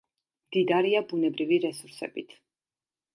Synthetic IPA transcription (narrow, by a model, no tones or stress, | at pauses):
md̪id̪aɾiabunɛbɾiviɾɛsuɾsɛ̰bit̪ʰ